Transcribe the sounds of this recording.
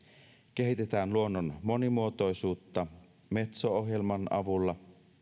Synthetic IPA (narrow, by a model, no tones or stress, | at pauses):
keɦit̪et̪æːnluo̞nːonmo̞nimuot̪o̞jsuːt̪ːɑ | me̞t̪soohjelmɑnʔɑ̰ʋulːɑ